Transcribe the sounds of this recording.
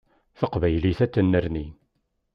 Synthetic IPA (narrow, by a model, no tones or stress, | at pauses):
θəqvæjliθæt͡sːənːəɾni